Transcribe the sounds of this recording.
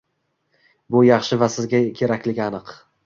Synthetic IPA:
bʊjɑχʃɪvasɪzɡʲakʲʰe̞ɾakʲlɪɡʲanɨq

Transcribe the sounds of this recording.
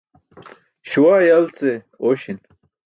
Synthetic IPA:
ɕuwaːjɐlt͡se | oɕin

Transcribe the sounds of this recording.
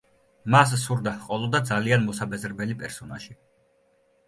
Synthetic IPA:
mas̬suɾd̪aqʼɔlˠɔd̪ad̪zalianmɔsabɛzɾɛbɛlipʼɛɾsɔnaʒi

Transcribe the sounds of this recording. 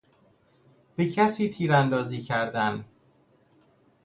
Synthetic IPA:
b̥ecʰæsiːt̪ʰiːɾænd̪ɒːziːcʰæɾd̪æn

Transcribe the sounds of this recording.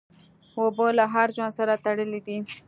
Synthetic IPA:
wobolaɦaɾʒɑnsaɾat̪aɽəlid̪i

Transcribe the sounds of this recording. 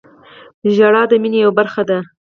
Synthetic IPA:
ʒaɽɑd̪əminejawbaɾxad̪a

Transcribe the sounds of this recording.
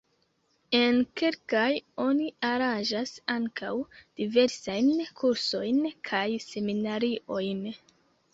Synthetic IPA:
e̞nke̞lkajo̞niaɾand͡ʒasaŋkʰa̰wd̥ive̞ɾsajnkʰuɾso̞jnkʰajse̞minaɾiʔo̞jn

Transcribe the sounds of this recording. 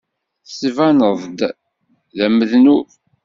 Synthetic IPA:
θsvænəðˤd̪ | ðæməðnu

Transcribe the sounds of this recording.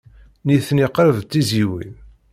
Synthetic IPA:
niθniqɾəvt͡s̪ːiziwḭð

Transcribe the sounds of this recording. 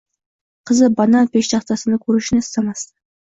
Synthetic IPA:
qʰəzəbɑnɑpeʃt̪ɑχt̪ɑsənəkʲʰɵɾɪʃɪnɪɪst̪ɑmɑst̪ə

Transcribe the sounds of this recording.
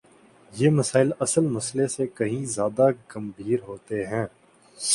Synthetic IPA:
jeːmɐsaːɪlɐsəlmɐslesekɐɦĩzjaːd̪aɡɐmbʱiːɾɦoːt̪eɦɛ̃ː

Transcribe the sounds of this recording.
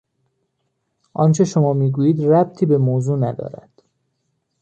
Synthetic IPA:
ʔɒːnt͡ʃʰe̞ʃomɒːmiːɡuːjiːd̪ræb̚t̪ʰiːbe̞moːzuːnæd̪ɒ̰ːɾæ̰d̪̥

